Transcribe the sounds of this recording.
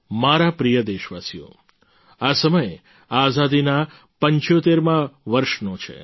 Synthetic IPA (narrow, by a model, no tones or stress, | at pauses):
maɾapɾijəd̪eʃʋasijo̰ | asəməje | azad̪ina | pəɲt͡ʃjot̪eɾmãʋəɾʃnot͡ʃʰḛ